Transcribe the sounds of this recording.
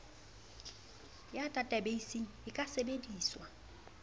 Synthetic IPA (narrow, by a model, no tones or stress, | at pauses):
jatʼatʼabeisiŋ̩ɪkʼasebediːswa